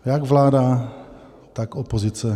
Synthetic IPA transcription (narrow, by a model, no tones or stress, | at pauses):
jaɡvlaːda | t̪akopozɪt͡sɛ